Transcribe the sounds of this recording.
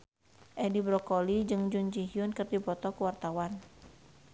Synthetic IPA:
ʔɛdibɾɔkolid͡ʒɨŋd͡ʒuɲd͡ʒiɦiʊnkɨrdipɔt̪ɔkəwart̪awan

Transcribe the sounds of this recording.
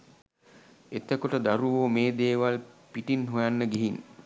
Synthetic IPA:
et̪əkoʈəd̪aɾuʋomeːd̪eːʋalpiʈinɦujanːəɡeɦin

